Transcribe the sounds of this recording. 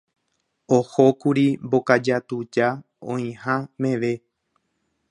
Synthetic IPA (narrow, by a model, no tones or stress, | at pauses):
ohokuɾimbokad͡ʒat̪ud͡ʒa | õĩhãmẽʋe̞